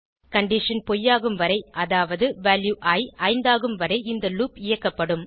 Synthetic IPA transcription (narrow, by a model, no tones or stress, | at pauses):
kɐɳɖɪʂɐnpɔjːaːɣɯmʋɐɾɐɪʔɐðaːʋɐðɯʋaːljuʔaːjɐɪnd̪aːɣɯmʋɐɾɐɪɪnd̪ɐluːpɪjɐkːɐpːɐɽɯm